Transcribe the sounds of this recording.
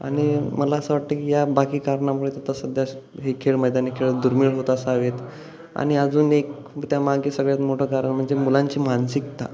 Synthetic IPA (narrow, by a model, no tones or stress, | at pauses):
a̰ɽ̃iməlaəsəʋaʈ̚t̪əkijabakiːkaɾɳamuɭet̪at̪asəd̪ʱja | ɦekʰeɭməjd̪janekʰeɭd̪uɾmiːɭɦot̪aəsəaʋet̪ | a̰ɽ̃iəd͡zuːnek | t̪jamaɡiːsəɡɭjat̪moʈʰəkaɾəɳm̤əɳd͡zemulãɲt͡ɕiːmansikt̪a̰